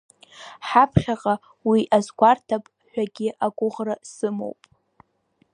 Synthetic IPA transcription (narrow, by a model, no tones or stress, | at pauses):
ħapʰχʲaqʼa | wiʔazɡʷartʰapʼ | ħʷᶣaɡʲɪʔaɡʷʼʊʁrasɨmo̰wpʼ